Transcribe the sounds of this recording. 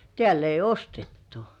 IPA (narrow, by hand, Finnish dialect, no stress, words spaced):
tĕæˑl ei ostetːu̥